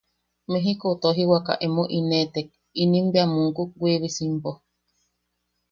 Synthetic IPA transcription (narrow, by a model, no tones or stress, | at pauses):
meɦikot̪oɦiwaka̰ʔemoʔinẽt̪ek̚ | inĩmbeamũŋkuk̚ɡweβisimpo